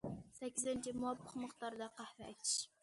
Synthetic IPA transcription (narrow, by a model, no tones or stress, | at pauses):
sɛkʲːizɪnt͡ʃʰimuwɑpʰːəqməχt̪ɑɾɨd̪ɑqʰæhɾɛɛjt̪ʰɪ̥ʃ